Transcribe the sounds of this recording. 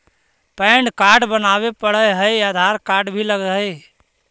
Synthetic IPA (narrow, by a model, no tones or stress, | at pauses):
pəɪɳɖkaɾɖbənaβepəɽəɦəjad̪ʱaɾkaɾɖbʱiləɡɦəj